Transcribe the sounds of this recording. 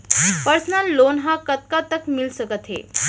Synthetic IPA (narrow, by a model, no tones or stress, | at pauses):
pəɾsənalːonɦãkət̪̚kat̪əkmilsəkət̪ɦḛ